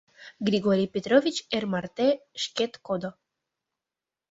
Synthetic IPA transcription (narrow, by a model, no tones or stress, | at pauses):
ɡɾiɡoɾipet̪ɾovit͡ɕeɾmaɾt̪eʃket̪kod̪o